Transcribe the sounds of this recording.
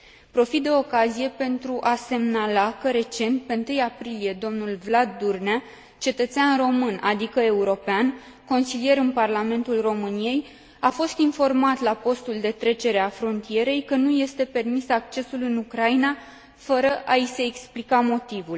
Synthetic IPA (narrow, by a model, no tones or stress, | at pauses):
pɾo̞fit̪̚d̪e̞o̞kazije̞pe̞nt̪ɾuʔase̞mnalakəɾe̞t͡ʃe̞nt̪̚pe̞ɨnt̪ɨjapɾilije̞d̪o̞mnulvlad̪ːurna | t͡ʃe̞t̪ət̪seanro̞mɨnʔad̪ikəe̞uɾo̞pean | ko̞nsilije̞ɾɨnparlame̞nt̪ulro̞mɨnije̞j | afo̞st̪info̞rmat̪lapo̞st̪uld̪e̞t̪ɾe̞t͡ʃe̞ɾe̞afɾo̞nt̪ije̞ɾe̞jkənuje̞st̪e̞pe̞rmisak̚t͡ʃe̞sulɨnukɾaina | fəɾəʔaise̞ːksplikamo̞t̪ivul